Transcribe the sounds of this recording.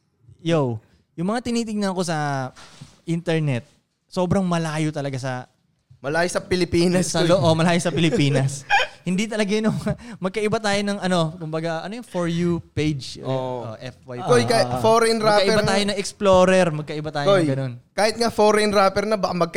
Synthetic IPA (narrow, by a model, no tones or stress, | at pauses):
jow | jʊŋmɐŋat̪ɪniːt̪̬ɪɡ̚nɐɐko̞sɐ | ʔint̪ɛɹnɛt̪̚ | so̞ːbɾɐŋmɐlaːjot̪ɐlɐɡasɐ | mɐlaːjosɐpɪlɪpiːnɐssɐloʔomɐlaːjosɐpɪlɪpiːnɐshɪnd̪it̪ɐlɐɡajɪnʊŋmɐɡ̚kɐʔɪbat̪aːjo̞nɐŋɐno̞kʊmbɐɡaʔɐ̰nojʊŋfoɹjupejd͡ʒʔo̰ʔɛfwajkojkafoɾɛnɾɐakɐʔɪɛbat̪aːjonɐŋɛksploːɾɛɾmɐɡ̚kɐʔɪbat̪aːjkojɡɐno̞nkaːhɪt̪̚ŋafoɾɛnɾaːpɛɾnɐbɐɐmɐɡ̚k